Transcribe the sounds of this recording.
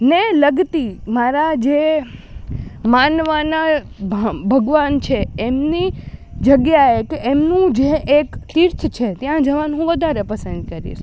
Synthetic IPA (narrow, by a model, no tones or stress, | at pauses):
neləɡt̪imaɾad͡ʒe | manʋana | bbʱəɡʋant͡ʃʰeemnid͡ʒəɡjaekeʔemnũd͡ʒeʔekt̪iɾt̪ʰt͡ʃʰet̪jãd͡ʒəʋanɦũʋəd̪ʱaɾepəsə̃nd̪̚kəɾḭʃ